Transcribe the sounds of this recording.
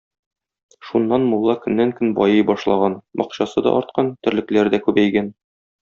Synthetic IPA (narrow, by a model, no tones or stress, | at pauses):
ʃunːɑnmulˠːɑkɵ̆nːæŋkɵnbɒjɤjbɒʃlˠɑʁɑnmɒ̰qɕɑsɤd̪ɒ̰ʔɒɾt̪̚qɑnt̪ɘ̆ɾlɘ̆klæɾd̪ækʉbæjɡæn